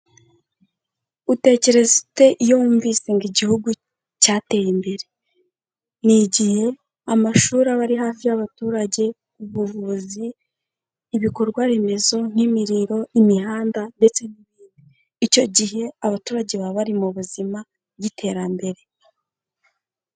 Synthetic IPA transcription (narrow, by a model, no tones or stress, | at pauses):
ute̞ce̞ɾe̞zite̞ʔijoːɱvise̞ŋɡiɟihuɡu | caːte̞jimbe̞ɾe̞ | niɟihe̞ | amaʃuːɾaβaɾiɦaːfijaβatuːɾaɟe̞ | kuβuvuziː | βiko̞ɾɡwaβe̞me̞zo̞n̥imiɾiɾo̞imiɦaːndande̞t͡se̞niβiːndiː | co̞ɟihe̞aβatuːɾaɟe̞βaβaɾimuβuzima | ɡitʰe̞ːɾambe̞ɾe̞